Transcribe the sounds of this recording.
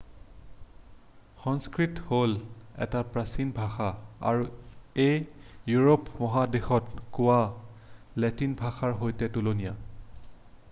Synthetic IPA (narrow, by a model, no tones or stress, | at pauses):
xɔnskɹitholɛ̰tapɹasinbʱaxaa̰ɹuejjuɹopmɔɦadexɔtkʊwa | lɛtinbʱaxaɹɦojtɛtulonija